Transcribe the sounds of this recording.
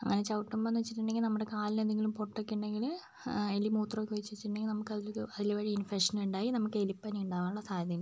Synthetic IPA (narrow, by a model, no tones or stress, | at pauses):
ɐ̰ŋːɐnet͡ɕɐwʈːumbɐnːt͡ɕːiʈ̬ːiɳɖeŋɡilnɐmːuɽe̞kaːlinend̪eŋɡilumpoʈːokːeɳɖeŋɡil | elimuːt̪rɐoːkːɨʋet͡ɕːuʋet͡ɕːiʈːɳɖeŋɡilnɐmukːɐðilɐðilʋɐɻiinfekʂɐnuɳɖaːjinɐmukːɨelipːɐniuɳɖaːʋaːnuɭːɐsaːjɐðɐn